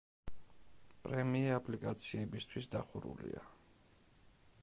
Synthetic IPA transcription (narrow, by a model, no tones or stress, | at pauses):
pʼɾɛmiːapʼlikʼat̪sʰiɛbist̪ʰwisd̪aχuɾṵlḭa